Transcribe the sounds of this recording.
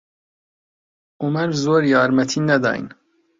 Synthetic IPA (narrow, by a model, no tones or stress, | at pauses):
ʊmæɾzoːɾjɑːɾmæt̪ʰiːnæd̪ɑ̰ːḭn